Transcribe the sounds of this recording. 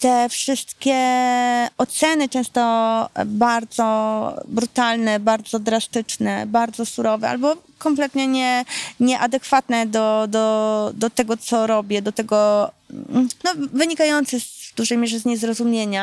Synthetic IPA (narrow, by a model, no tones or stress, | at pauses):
t̪ɛfʂɘst̪kʲɛ | ɔt̪sɛnɘt͡ʂɛ̃w̃st̪ɔbaɾd̪zɔbɾut̪alnɛbaɾd̪zɔd̪ɾast̪ɘt͡ʂnɛ̰baɾd̪zɔsuɾɔvɛa̰lbɔkɔmplɛt̪ɲɛɲɛɲɛʔad̪ɛkfat̪nɛd̪ɔd̪ɔd̪ɔt̪ɛɡɔt̪sɔɾɔbʲjɛd̪ɔt̪ɛɡɔ | nɔvɘɲikajɔnt̪sɛzvd̪uʐɛjmʲjeʐɛzɲezɾɔzumʲjeɲa